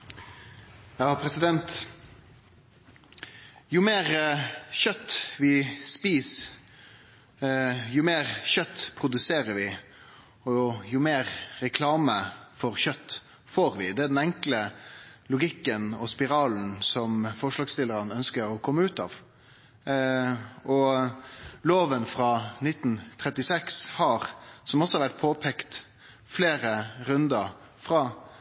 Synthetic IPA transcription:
jɑːpʰɾɛsɪd̪ɛnt̪ | jʊmeːɾʃœt̪ːʋɪspiːs | jʊmeːʁɕœt̪ːpʰɾʊd̪ʉseːɾəɾʋɪ | ɔjʊmeːɾɾɛkʰlɑːməfɔʁçœt̪ː | foːɾʋɪd̪ɛæd̪ɛnɛŋkləlʊɡɪkːənɔspɪɾɑːln̩sɔmfɔʂlɑːɡst̪ɪlːəɾənœnskəɾɔkʰɔmːəʉːt̪ɑ̰ːʋ | ɔ | loːʋənfɾɑnɪt̪ːn̩t̪ʰɾɛt̪ːɪsɛkshɑɾsɔmɔsɔʋæʈ̚ːpʰoːpʰɛkt̪ | fleːɾəɾʉnd̪əɾ | fɾɑː

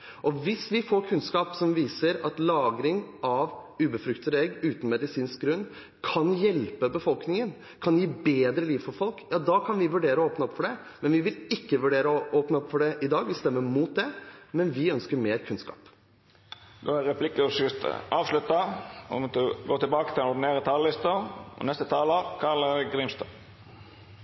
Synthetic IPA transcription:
ʔɔʋɪsʋɪfɔɾkʰʉnskɑːpsɔmʋiːsəɾɑt̪lɑːɡɾɪŋɑʋʉːbəfɾʉkt̪əd̪əɛɡʉːt̪n̩mɛd̪ɪsiːnsk̚ɡɾʉnː | kʰɑnjɛlpəbəfɔlknɪŋən | kʰɑnjiːbeːd̪ɾəliːʋfɔɾfɔlkjɑːd̪ɑkʰɑnʋɪʋʉɖeːɾəoːpnəɔpːfɔɖɛ | mɛnʋɪʋɪlɪkːəʋʉɖeːɾəɔʔoːpnəɔpːfɔɖɛʔɪd̪ɑːɡʋɪst̪ɛmːəmuːt̪̚d̪ɛmɛnʋɪœnskəɾmeːɾkʰʉnskɑ̰ːp | d̪oːæɾɛpʰlɪkəɔsʏst̪ə̰ʔɑːʋslʉt̪ɑɔmɔt̪ʰɡoːt̪ʰɪlbɑːkət̪ʰɪlɛnɔɖ̪ɪneːɾət̪ʰɑllɪst̪əɔ̰nɛst̪ət̪ʰɑːləkʰɑləɾɡɾimst̪ɔ

